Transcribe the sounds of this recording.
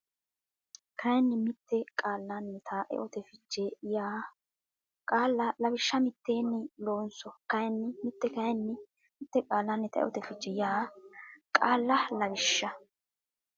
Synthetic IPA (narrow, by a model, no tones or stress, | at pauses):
kʰɐjnːɪmɪt̪ːɛkʼaːlːɐnːɛt̪ʰaʔɛ̰ʔɔt̪ɛfɪd͡ʒːɛjaː | kʼaːlːɐlɐbɪʃːɐmɪt̪ːeːnːɪloːnsɔkɐjɛnːɪmɪt̪ːɛkɐjnːɪ | mɪt̪ːɛkʼaːlːɐnːɛt̪ɐɛ̰ʔɔ̰t̪ɛfɪt͡ʃːɛjaː | kʼaːlːɐlɐbɪʃːɐ